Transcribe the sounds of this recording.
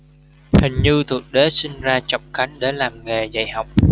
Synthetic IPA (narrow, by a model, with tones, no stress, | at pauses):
hï˨˩ŋ̟ɲɨ˧t̪ʰɨ˨˩k̚ɗe˨˦sï˧ŋ̟zaː˧t͡ɕə˨˩wŋ͡m̚ka˨˦jŋ̟ɗe˧˩˦laː˨˩mŋe˨˩za̰˧˨˩jha˨˩wk͡p̚